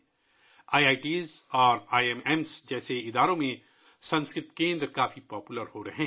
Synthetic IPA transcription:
aːiaːiʈiːzɔːɾaːiɛmɛːmsd͡ʒɛːseɪd̪aːɾõmẽ | sɐ̃nskɾɪt̪kẽːnd̪ɾkaːfipɔːpʊləɾhoɾɐɦɛ̃ː

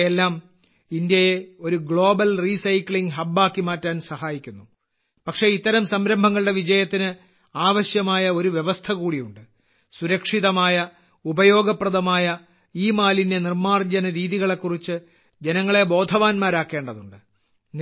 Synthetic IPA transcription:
elːaːm | ind̪jɐje̞o̞ɾuɡɭo̞ːbɐlriːsɐjkɭiŋɡɦɐbːaːkːimaːtːaːnsɐhaːjikʲːunːu | pɐkʂe̞it̪ːɐɾɐmsɐmɾɐmbʱɐŋːɐɭɨɽe̞ʋid͡ʑɐjɐt̪ːinɨ | aːʋɐɕjɐmaːjɐo̞ɾuʋjeʋɐst̪ʰɐkuːɽijuɳɖɨ | suɾɐkʂiðɐmaːjɐ | ubɐjo̞ːɡɐprɐðɐmaːjɐ | iːmaːlinde̞nirmaːrd͡ʑɐnɐɾiːðiɣɐɭe̞kːurit͡ɕːɨ | d͡ʑenɐŋːɐɭe̞bo̞ːd̪ʱɐʋaːnmaːɾaːkːe̞ːɳɖɐðuɳɖɨ | n

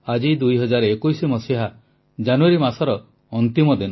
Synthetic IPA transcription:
ad͡ʒid̪ujɦɔd͡ʒaɾekujsimɔsiɦa | d͡ʒanuaɾimasɔɾɔ | ɔnt̪imɔd̪inɔ

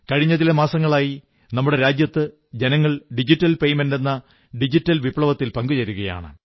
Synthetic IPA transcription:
kɐɻiɲːɐðilɐmaːsɐŋːɐɭaːji | nɐmːuɽe̞ɾaːd͡ʑjɐt̪ːɨ | d͡ʑe̞nɐŋːɐɭɖid͡ʑitːɐlpe̞jme̞nde̞nːɐ | ɖid͡ʑitːɐlʋibɭɐʋɐt̪ːilpɐŋɡut͡ɕɐɾuɣɐja̰ːɳɨ̰

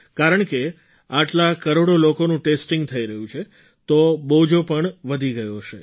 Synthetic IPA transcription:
kaɾəɳke | aʈlakəɾoɽolokonũʈesʈĩŋɡt̪ʰəiɾəɦũt͡ʃʰe | t̪obod͡ʒopəɳʋəd̪ʱiɡəjoʃe

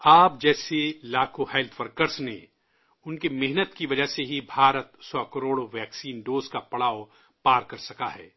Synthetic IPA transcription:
aːp̚d͡ʒɛːselaːkohɛːlt̪ʰʋɐɾkəɾsnḛ | ʊnkemɪɦnət̪kiʋɐd͡ʒəseɦibʱaːɾət̪sɔːkɐɾoːɽoʋɛːksiːnɖoːzkapɐɽaːo | paːɾkɐɾsɐkaɦɛ̰ː

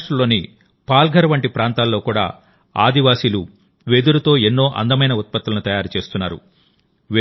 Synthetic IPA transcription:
ʈɐlːo̞ːni | paːlɡʱɐɾɐʋɐɳʈipɾaːnt̪aːlːo̞ːkuːɽa̰ː | a̰ːd̪iʋaːsilu | ʋe̞ːd̪uɾɐt̪o̞ːenːo̞ːʔɐ̰nd̪ɐmɐjnɐut̪̚pɐt̪ːulɐnut̪ɐjaːɾut͡ʃe̞ːst̪unːaːɾṵ | ʋ

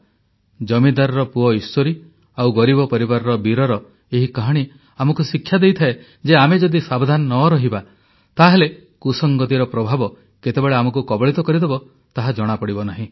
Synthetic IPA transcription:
d͡ʒɔmid̪aɾɔɾɔpuɔisoɾi | awɡɔɾibɔpɔɾibaɾɔɾɔbiɾɔɾɔ | eɦikaɦɔɽ̃i | amɔkusikʰːjad̪ejt̪ʰae | d͡ʒeamed͡ʒɔd̪isabd̪ʱanɔnɔɾɔɦiba | t̪aɦele | kusɔŋɡɔt̪iɾɔpɾɔbʱabɔ | ket̪ebeɭeamɔkukɔbɔɭit̪ɔkɔɾid̪ebɔ | t̪aɦad͡ʒɔɽ̃apɔɽibɔnaɦĩ

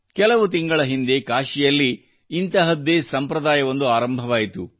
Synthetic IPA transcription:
kɛlɐʋut̪iŋɡɐɭɐɦind̪e̞kaːʃijɐlːiː | nt̪ɐɦɐd̪ːeːsɐmpɾɐd̪aːjɐʋo̞nd̪uaːɾɐmbʱɐʋaːjit̪ṵ

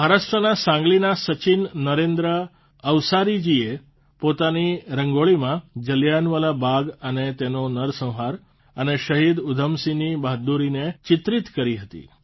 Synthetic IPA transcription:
mʱaɾaʃʈɾənasãŋɡlinasət͡ʃinːəɾẽnd̪ɾə | əʋsaɾid͡ʒie | pot̪aniɾəŋɡoɭimãd͡ʒəljanʋəlabʱaɡənet̪enonəɾsə̃w̃ɦaɾ | əneʃəɦid̪ʊd̪ʱəmsinibaɦd̪uɾinet͡ʃɪt̪ɾit̪kəɾiɦət̪ḭ

